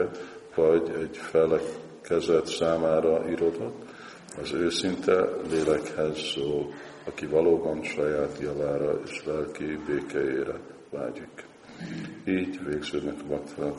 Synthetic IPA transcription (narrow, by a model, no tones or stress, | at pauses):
vɒɟɛɟfɛlɛ | kɛzɛt̪saːmaːɾɒʔiɾo̞d̪o̞t̪ː | ɛzøːsint̪ɛleːlɛkhɛzːoːl | ɒkivɒloːbɒnʃɒjaːt̪jɒvaːɾɒḛːʃʋɛlkibeːkɛjeːɾɛ̰ | va̰ːɟik | iːɟveːɡz̥øːd̪nɛkɒmɛkt̪ɛlɛn